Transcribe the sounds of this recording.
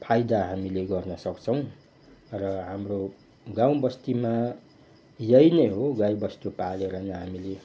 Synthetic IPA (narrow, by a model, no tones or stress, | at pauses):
pʰajd̪aɦamileɡʌrnʌsʌkt͡sʰʌw̃ | rʌɦamro | ɡaw̃bʌst̪ima | jʌjneɦoɡajbʌst̪upaleɾʌnʌɦamile